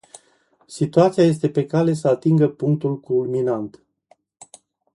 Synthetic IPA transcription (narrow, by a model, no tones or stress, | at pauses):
sit̪uat̪siaje̞s̬t̪e̞pe̞kale̞səat̪iŋɡəpuŋkt̪ulkulminant̪